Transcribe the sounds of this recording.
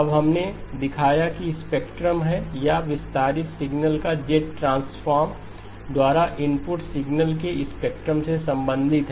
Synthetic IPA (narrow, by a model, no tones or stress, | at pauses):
ɐbɦɐmned̪ɪkʰaːjakiɪspeːkʈɾəmɦɛjaʋɪst̪aːɾɪt̪sɪɡnəlkad͡ʒeːʈːɾãːnsfaːɾm | d̪waːɾaʔɪmpʊʈsɪɡnəlkeɪspeːk̚ʈɾəmsesɐ̃mbə̃nd̪ʱɪt̪ɦɛ